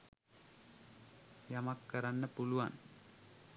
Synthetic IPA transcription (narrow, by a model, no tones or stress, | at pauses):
jɐmɐkːɐɾɐnːɐpuluʋan